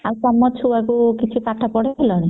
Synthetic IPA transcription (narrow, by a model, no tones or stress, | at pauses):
awsɔmːɔt͡ʃʰuakukit͡ʃʰipaʈʰapɔɽeelɔɽ̃i